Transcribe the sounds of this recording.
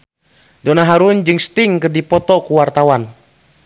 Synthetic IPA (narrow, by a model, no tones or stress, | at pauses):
dɔnaɦaɾund͡ʒɨŋst̪iŋkɨrdipɔt̪ɔkuwart̪awan